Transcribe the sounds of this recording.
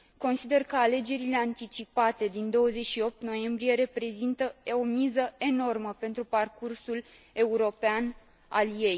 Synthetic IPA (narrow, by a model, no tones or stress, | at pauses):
ko̞nsid̪e̞rkəale̞d͡ʒe̞ɾile̞ant̪it͡ʃipat̪e̞d̪ind̪o̞wəze̞t͡ʃʃio̞p̚t̪no̞je̞mbɾije̞ɾe̞pɾe̞zint̪əomizəe̞no̞rməpe̞nt̪ɾuparkursul | e̞uɾo̞pean | a̰lje̞j